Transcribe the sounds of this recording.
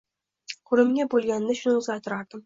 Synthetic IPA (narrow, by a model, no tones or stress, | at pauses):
kʰɵɾɪmɡʲabolˠɡʲanːaʃʊnzat̪ɪɾaɾd̪ɪm